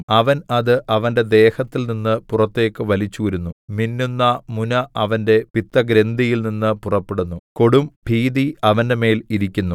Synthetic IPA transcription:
ɐʋɐnɐðɨʔɐʋɐnde̞d̪e̞ːhɐt̪ːilninːɨpurɐt̪ːe̞ːkːɨʋɐlit͡ɕːuʋɐɾunːuminːunːɐmunɐɐʋɐnde̞pit̪ːɐɡɾe̞nd̪ijilninːɨpurɐpːeɽunːuko̞ɽumbʱiːðiɐʋɐnde̞me̞ːliɾikʲːunːu

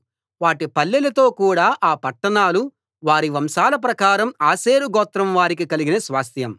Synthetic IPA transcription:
ʋaːʈipɐlːilɐt̪o̞ːkuːɽaːʔaːpɐʈːɐɳaːlu | ʋaːɾiʋɐmʃaːlɐp̬ɾɐkaːɾɐmaːseːɾuɡɔːt̪ɾɐmʋaːɾik̬ikɐliɡinɐsʋaːst̪ʰjɐm

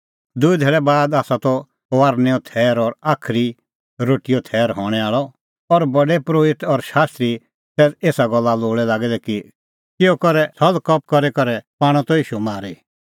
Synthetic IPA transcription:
d̪ʊid̪ʱeːɭɛbaːd̪aːsat̪ɔ | ʋaːɾnɛɔt̪ʰɛːɾɔɾaːkʰɾi | ɾoːʈijɔt̪ʰɛːɾɦɔɽ̃ɛaːɭɔ | ɔɾbɐɖɛpɾoːɪt̪ɔɾʃaːst̪ɾi | t̪ɛːseːsaɡɔlːaloːɭɛlaːɡɛd̪ɛki | kɪɔkɔɾɛsʰɔlkɔp̚kɔɾɛkɔɾɛpaːɽ̃ɔ̃t̪ɔiːʃumaːɾi

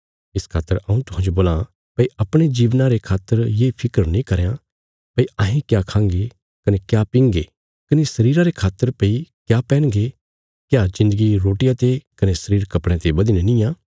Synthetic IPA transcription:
ɪskʰaːt̪ːəɾɐːũt̪ʊɦãːd͡ʒoboːlã | pɐiɐpɽ̃ed͡ʒiːʋnãɾekʰaːt̪ːəɾjeːpʰɪkəɾnĩkɐɾjã | pɐiãːɦĩkjakʰãːŋɡe | kɐnekjapɪ̃ŋɡe | kɐnesɐɾiːɾaɾekʰaːt̪ːəɾpeikjapɛːɽ̃ɡe | kjad͡ʒɪ̃nd̪əɡiɾoːʈɪjãt̪ekɐnesɐɾiːɾkɐpɽ̃ẽt̪ebɐd̪inenĩːjãː

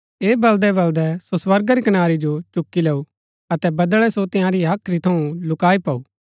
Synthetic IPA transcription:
eːbɐld̪ɛbɐld̪ɛsoswɐɾɡaɾikɐnaːɾid͡ʒot͡ʃʊkːilɛːu | ɐt̪ɛbɐd̪ɭɛsot̪ɪ̃ãɾiaːkʰːɾit̪ʰɐũlʊkaːipaːuː

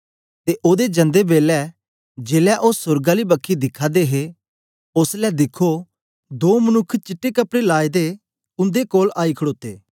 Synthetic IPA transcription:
t̪eʔoːd̪ed͡ʒə̃nd̪ebeːlɛ | d͡ʒeːlɛʔoːsʊɾɡãlibəkʰːid̪ɪkʰaːd̪eɦe | ʊslɛd̪ɪkʰo | d̪oːmənʊkʰːt͡ʃɪʈːekəpɽelaːed̪e | ʊ̃nd̪ekoːlaːikʰəɽoːt̪ḛː

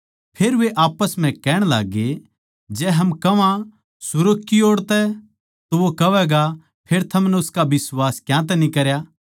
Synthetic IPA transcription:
pʰeːɾʋeʔaːpəsm̤ɛ̃kɛːɽ̃laːɡe | d͡ʒɛːɦɐmkɐʋã | sʊɾəkːioːɽt̪ɛ | t̪oʋokɐʋɛɡa | pʰeːɾt̪ʰɐmnɛʊskabɪsʋaːskjãt̪̬ɛnĩkɐɾjaː

